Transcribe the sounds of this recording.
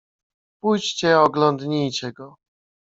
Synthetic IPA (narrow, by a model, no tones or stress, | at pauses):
pujt͡ɕt͡ɕɛɔɡlɔnd̪ɲijt͡ɕɛɡɔ